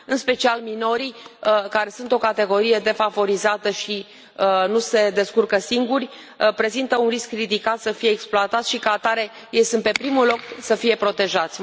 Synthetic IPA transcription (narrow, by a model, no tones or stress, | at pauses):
ɨnspe̞t͡ʃialmino̞ɾijkaɾe̞sunt̪o̞kat̪e̞ɡo̞ɾije̞d̪e̞favo̞ɾizat̪əʃi | ənuse̞d̪e̞skurkəsiŋɡurʲ | pɾe̞zint̪əunriskrid̪ikat̪səfije̞ːksploat̪at̪sʲʃikəat̪aɾe̞ | jejsɨnt̪̚pe̞pɾimulo̞ksəfije̞pɾo̞t̪e̞ʒat̪sʲ